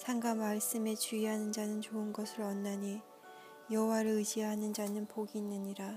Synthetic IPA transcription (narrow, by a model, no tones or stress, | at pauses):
sʰaŋɡamaɭs͈ɯme̞t͡ɕuiɦanɯnd͡ʑanɯnt͡ɕoɯnɡʌsʰɯɭʌnːaɲi | jʌɦowaɾɯɭɯd͡ʑijaɦanɯnd͡ʑanɯnpoɡinːɯɲiɾa